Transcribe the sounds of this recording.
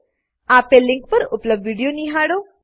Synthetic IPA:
apelːiŋk̚pəɾupləbdʋiɽijoniɦaɽo

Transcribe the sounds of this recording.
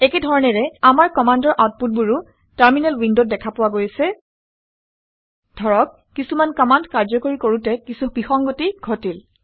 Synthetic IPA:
ɛkɛdʱɔɹɔnɛɹɛamaɹkɔmandɔɹʔawt̚put̚buɹu | taɹminɛlwindot̚dɛkʰapʊwaɡojsɛ | d̥ʱɔɹɔkːisumankɔmandkaɹzɔkoɹikoɹutɛkisubixɔŋɡotiɡʱotil

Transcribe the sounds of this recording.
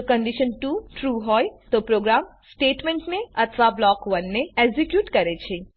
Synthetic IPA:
okəɳɖiʃənʈuʈɾuɦɔjt̪opɾoɡɾam | sʈeʈmẽɳʈneət̪ʰʋablɔkʋənːeeɡzikjuːʈkəɾet͡ʃʰe

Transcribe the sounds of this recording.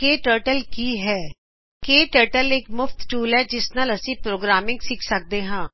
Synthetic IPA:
keːʈəːɾʈəlkiːɦɛː | keːʈəːɾʈəlɪkmʊft̪ʈuːlɦɛːd͡ʒɪsnaːləsĩːpɾoːɡɾaːmɪ̃ŋɡsɪkʰsək̚d̪eːɦãː

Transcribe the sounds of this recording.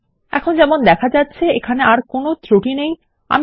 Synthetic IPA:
ɛ̰kʰond͡ʑɛmond̪ɛkʰad͡ʑatːɕʰeekʰaneaɾkonot̪ɾoʈinej | a̰m

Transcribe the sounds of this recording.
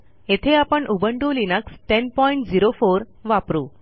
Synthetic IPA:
et̪ʰeapəɳʔubəɳɖulinəksʈɛnpɔiɳʈd͡ziɾofoɾ | ʋapɾuː

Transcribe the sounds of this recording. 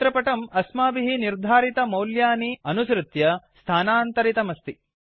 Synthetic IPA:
t̪ɾɐpɐʈɐmɐsmaːbiɦiniɾd̪ʱaːɾit̪ɐmɐwljaːniɐnusɾɨt̪jɐst̪ʰaːnaːnt̪ɐɾit̪ɐmɐst̪i

